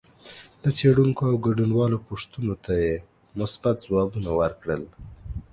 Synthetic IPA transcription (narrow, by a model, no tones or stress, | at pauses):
d̪̥ət͡seɽuŋkoawɡaɖunwɑlopoʂt̪unot̪aje | mʊsbat̪̚zwɑbunawəɾkɽəl